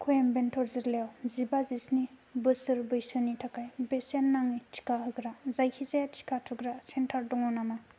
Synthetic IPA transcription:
kʰujembentʰɔɾzɯɾlewzibazisnibɯsɯɾbɯjsɯnitʰakajbesenːaŋijtʰi̥kʰaɦɯɡɾazajkʰizajatʰi̥kʰatʰuɡɾasentʰaɾdɔŋɔnana

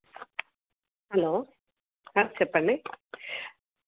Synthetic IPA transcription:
hɐloː | at͡ʃɛpːɐɳɖi

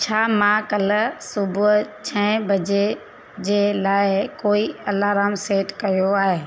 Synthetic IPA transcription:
t͡ɕʰaːmãkɐlsʊbʱʊt͡ɕʰɐ̃ɪ̃bɐd͡ʑe | d͡ʑeːlaːɪkoːiɐlaːɾaːmseːʈkɐjoaːɦeː

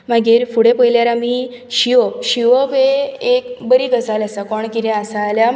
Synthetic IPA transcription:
maɡiːɾfuɽepəjljaɾamiː | ɕiʋɔɕiʋɔʋeekbəɾiɡəd͡zaljasakɔɳkiɾẽasalja

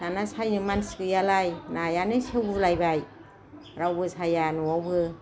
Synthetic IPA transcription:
nanasajnɯmanskɯjalajnajanɯsewɡulajbaj | ɾawbɯsajanuwawbɯ

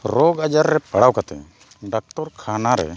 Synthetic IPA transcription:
ɾɔɡad͡ʒaɾːɛpaɽawkat̪ɛ̰ | ɖak̚ʈɔɾkʰanaɾɛ̰

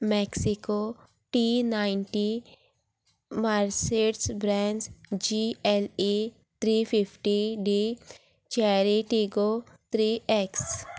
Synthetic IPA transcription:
mɛksiko | ʈinaːɪnʈi | maːɾseʈsbɾɛːnsd͡ʒiɛle | t̪ʰɾiːpʰipʰʈiɖi | t͡ʃɛːɾeʈiɡo | t̪ʰɾiːeks

